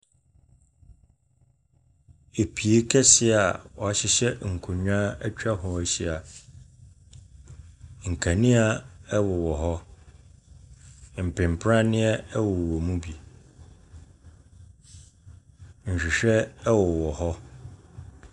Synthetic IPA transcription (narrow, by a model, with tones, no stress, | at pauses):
e˨pʰi˨e˦kʰɛ˦sɪ˦a˨wɔ˨a˨ɕɪ˦ɕɛ˦ŋ̩˨kʰʊ˨ɲᶣ˦ã˦ɛ˦t͡ɕᶣa˦ɦɔ˨æ˨ɕi˦a˨ | ŋ̩˨kʰa˨nĩ˦a˦ɛ˦wʊ˨wɔ˨ɦɔ˦ | m̩˨pʰɪ̃˨m˨pʰɾã˦nɪ̃˦ɛ˦ɛ˦wʊ˨wwɔ˨mũ˦bi˨ | ɲ̩˨ɕᶣi˨ɕᶣɛ˦wɔ˨wɔ˨hɔ˦